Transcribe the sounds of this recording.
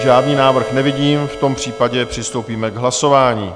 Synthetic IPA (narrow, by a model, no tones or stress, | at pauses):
ʒaːdniːnaːvr̩xnɛvɪɟiːmft̪o̞mpr̝̥iːpaɟɛpr̥ɪst̪o̞wpiːmɛɡɦlaso̞vaːɲiː